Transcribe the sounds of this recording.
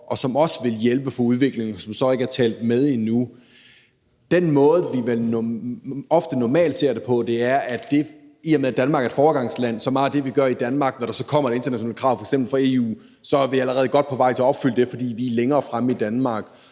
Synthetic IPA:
ʔɒ̽sɒ̽mɒ̽sʋe̝ljelb̥əpʰɒ̽uð̞ˠʋe̝ɡ̥le̝ŋsɒ̽msɒ̽e̝ɡ̥əæɐt͡sʰɛ̰ːld̥með̞ˠenu | d̥enmɔ̽ːð̞̩ˠʋiʋeln | ɒ̽fd̥ənɒmɛ̰ːld̥se̝ɐ̰ɾ̥e̝pʰɒ̽d̥e̝æɐʔæd̥e̝ | iɐmeðˠd̥ænmɑ̈ɡ̥æ̥fɒːɡ̥ɑ̈ŋ̰slæn̰sɒ̽mɑ̈ːd̥e̝ʋiɡ̥ɶɐid̥ænmɑ̈ːɡ̥nɒɾ̥ɑ̈sɒ̥̽kʰɒ̽m̰ɐe̥e̝nd̥ɐnæɕo̝nɛ̰ːlkʰʁɑ̈ʊ̰fɒeɡ̥semb̥l̩fɒe̝ṵː | sɒ̽ʋiæləʁɛːð̩ˠɡ̥ɒ̽d̥̚pʰɒ̽ʋɑ̈ɪ̰t͡sʰe̝ɐɒ̽b̥fyl̰əd̥e̝fɒ̽d̥ḭːʋileŋɐːfʁaməid̥ænmɑ̈ːɡ̥

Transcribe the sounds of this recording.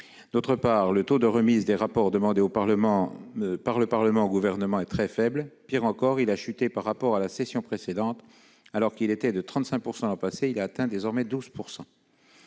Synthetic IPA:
d̪ot̪χəpaʁlət̪od̪əʁəmizd̪eʁapɔʁd̪əmɑ̃d̪eopaləmɑ̃paʁləpaʁləmɑ̃oɡuvɛʁnəmɑ̃ɛt̪χɛfɛblpiʁɑ̃kɔʁilaʃyt̪epaʁːapɔʁalasesjɔ̃pχesed̪ɑ̃t̪ | alɔʁkilet̪ɛd̪ət̪χɑ̃t̪sɛ̃k̚puʁsɑ̃d̪ɑpaseilaːt̪ɛ̃d̪ezɔʁmɛd̪uz̥puʁsɑ̃

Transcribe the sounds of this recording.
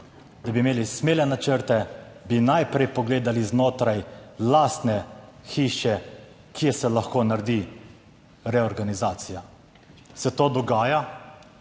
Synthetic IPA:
d̪abimeːlismeːlɛnat͡ʃəɾt̪ɛbinajpɾɛjpɔɡleːd̪aliznoːt̪ɾajlaːst̪nɛxiːʃɛ | kijɛsɛlaxkoːnaɾd̪i | ɾɛɔɾɡanizaːt̪sija | sɛt̪oːd̪ɔɡaːja

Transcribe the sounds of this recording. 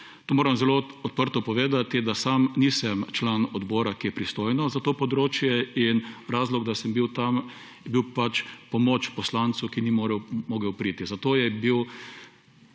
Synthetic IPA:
t̪oːmoːɾɐmzɛloɔt̪̚pəɾt̪ɔpɔʋeːd̪at̪id̪asamniːsɛmt͡ʃlanɔd̪boːɾakijɛpɾist̪oːjnɔzat̪oːpɔd̪ɾoːt͡ʃjɛinɾaːzlɔɡd̪asɛmbiwt̪am | jɛbiwpat͡ʃpɔmoːt͡ʃpɔslant̪sukinimoːɾɛwmoːɡɛwpɾiːt̪izat̪oːjɛbiw

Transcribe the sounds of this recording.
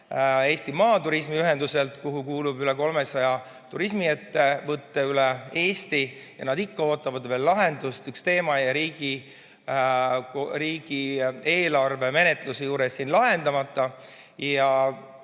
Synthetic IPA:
e̞ːst̪imɑːt̪uɾismiyɦe̞nd̪use̞lt̪kuɦukuːlubyle̞ko̞lmesɑjɑ | t̪uɾismie̞t̪ːe̞vɤt̪ːeylɛe̞ːst̪i | jɑ̰nɑd̪ikːɑo̞ːt̪ːˑɑvɑd̪ve̞ːlːɑɦe̞nd̪̥ust̪ykst̪e̞ːmɑjɑɾiːɡ̥i | koɾiːɡ̥ie̞ːlɑrve̞me̞ne̞t̪lusejuːɾesːinlɑɦe̞nd̪ɑmɑt̪ˑːɑ | jɑ

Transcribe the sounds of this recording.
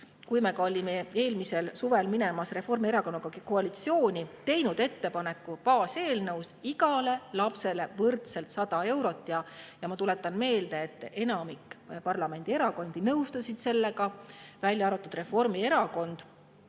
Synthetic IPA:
kujmekɑo̞lʲimee̞ːlmiselsuve̞lminemɑsre̞fo̞rmie̞ɾɑko̞nːɑkɑkkoɑlit̪sio̞ːnʲit̪e̞jnud̪̥e̞t̪ːe̞pɑne̞kːˑupɑːse̞ːlnɤwsiɡɑle̞lɑpse̞le̞vɤrt̪se̞lt̪sɑd̪̥ɑe̞wɾo̞t̪ːˑjɑjɑmɑt̪ule̞t̪ːˑɑnme̞ːld̪̥e̞ːt̪ːˑe̞nɑmikːpɑrlɑme̞nd̪̥ie̞ɾɑko̞nd̪̥inɤwst̪ɑsid̪̥se̞lːe̞ɡɑvælʲjɑɑɾut̪ːˑud̪re̞fo̞rmie̞ɾɑko̞nd̪̥

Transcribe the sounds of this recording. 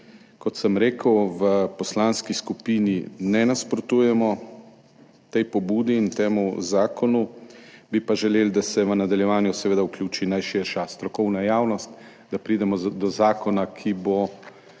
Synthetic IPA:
kɔt̪səmɾeːkəwʋəpɔslaːnskiskupiːninɛnaspɾɔt̪uːjɛmɔ | t̪ɛjpɔbuːd̪iːnt̪eːmuzaːkɔnubipaʒɛleːld̪asɛʋənad̪aljɛʋaːnjusɛʋeːd̪auklʲjuːt͡ʃinajʃɪɾʃast̪ɾɔkɔwnajaːwnɔst̪ | d̪apɾiːd̪ɛmɔd̪ɔzaːkɔnakʰibo

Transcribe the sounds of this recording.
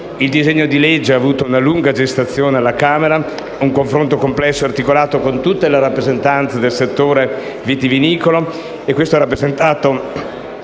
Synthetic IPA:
ild̪izɛɲːod̪iled͡ʒːeaːvuːt̪ounaluŋɡad͡ʒest̪at̪sːjoːnealːakaːmeɾa | uŋkoɱfɾont̪okomplɛsːoart̪ikolaːt̪okont̪ut̪ːeleɾapːɾezent̪ant̪sed̪elset̪ːoːɾe | vit̪iviniːkolo | ekwest̪oɛɾapːɾezent̪aːt̪o

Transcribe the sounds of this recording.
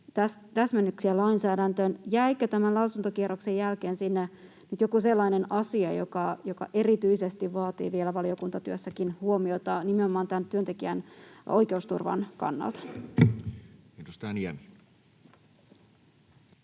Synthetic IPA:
t̪æs | t̪æsmenːyksiælɑinsæːdænt̪ønjæikːøt̪æmænlɑusunt̪okieɾokse̞jːælke̞ːnsinːe | nyt̪jokuse̞lːɑine̞nɑsiɑjokɑjokɑ̰ʔe̞rit̪yise̞st̪iʋʋɑːt̪ḭːʋielæʋɑlio̞kunt̪ɑt̪yøsːækinhuo̞mio̞t̪ɑnimeomɑːnt̪ænt̪yønt̪ekiæno̞jke̞ust̪ṵrʋɑ̰nkɑ̰nːɑ̰lt̪ɑ̥ | it̪ust̪æniæ̰mi

